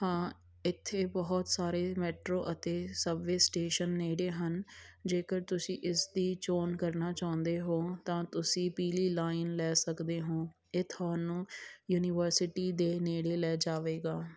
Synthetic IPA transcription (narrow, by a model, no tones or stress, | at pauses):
hãː | ɪt̪ʰːeːbəɦɔt̪saːɾeːmɛːʈɾoːʔət̪eːsəʋeːsʈeːʃənːeːɽeːɦənd͡ʒeːkəɾt̪ʊsĩːʔɪsd̪iːt͡ʃoːnkəɾnaːt͡ʃaːʊ̃nd̪eːɦoːt̪ãːt̪ʊsĩːpiːliːlaːɪnlɛːsəkd̪eːɦõː | ɪt̪ʰaːnũːjuːnɪːʋəɾsɪʈiːd̪eːneːɽeːlɛːd͡ʒaːʋeːɡaː